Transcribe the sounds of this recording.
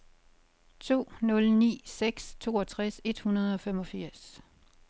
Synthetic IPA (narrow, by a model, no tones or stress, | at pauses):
t͡sʰo̝̰ːnɔ̽lnḭːseɡ̥st͡sʰo̝̰ːɒt͡sʰʁase̝d̥hunɐð̞ˠɒ̽fem̰ɒ̽fiɐ̰s